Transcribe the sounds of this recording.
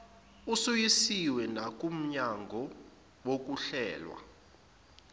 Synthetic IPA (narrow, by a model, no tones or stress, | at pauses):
usujisiwɛnak̬ʼum̩ɲaŋɡʱɔ | wok̬ʼuɬɛːlwa̰